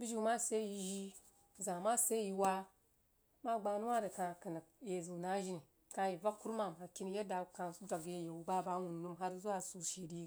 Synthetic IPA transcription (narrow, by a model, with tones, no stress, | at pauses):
bi˦ʒi˦ma˦se˦ji˨ʒi˦ | zã˨ma˦se˦ji˨wa˦ | ma˦ɡ͡ba˨nu˦wa˦ɾe˨ka˨ki˨na˨je˨zu˨na˦ʒi˦ni˨ | kã˨ji˨va˦kːu˦ɾma˨m˨ha˨ki˦ni˦je˦da˨kã˨˦d͡ʒʷa˨ɡje˦je˨wu˨ɡ͡ba˦ba˦wu˨n˨nu˦mɦa˦ɾzu˦a˨su˨ʃi˨di˦